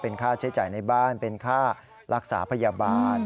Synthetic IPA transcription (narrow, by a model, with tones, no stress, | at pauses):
pe˧nkʰaː˥˩t͡ɕʰa˦˥jt͡ɕaː˨˩jna˧jbaː˥˩npe˧nkʰaː˥˩ | ɾʔa˦˥k̚sa̰ː˩˦pʰa˧ja˧baː˧n